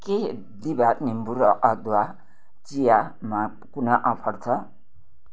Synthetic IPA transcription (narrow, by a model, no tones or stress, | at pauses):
ke | d̪ibat̪nimbuɾʌʔʌd̪wa | t͡sija | ma | kunaʔʌpʰʌɽt͡sʰʌ